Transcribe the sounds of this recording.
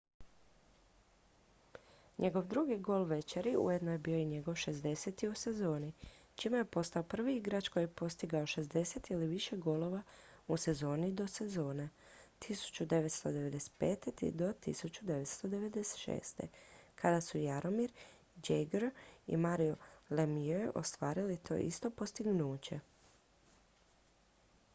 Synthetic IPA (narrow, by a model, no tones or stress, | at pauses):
ɲʔe̞ɡo̞ʋd̪ɾuɡiɡo̞ːlˠʋe̞t͡ɕeɾiṵjed̪nojebiːo̞iɲe̞ɡo̞ʋʃe̞zd̪e̞set̪iuse̞zo̞ːnit͡ʃimejepo̞st̪aopr̩ʋiiɡɾat͡ʃkojiepo̞st̪iɡaoʃe̞zd̪e̞se̞t̪iliʋiʃe̞ɡo̞ːlˠo̞ʋause̞zo̞ːnid̪o̞sezo̞ːne | t̪ʰisu̥t͡ɕud̪e̞ʋet̪st̪o̞d̪eʋe̞d̪ese̥t̪peːt̪et̪ḭd̪o̞t̪ḭsut͡ɕud̪e̞ʋet̪st̪o̞d̪e̞ʋe̞d̪ese̥t̪ʃḛːst̪ḛkʰad̪asujaɾo̞miɾ | d͡ʒeɡɾḭmaɾiolemiøʔo̰st̪ʋaːɾilit̪ʰo̞̰ʔḭst̪o̞po̞st̪iɡnuːt͡ɕe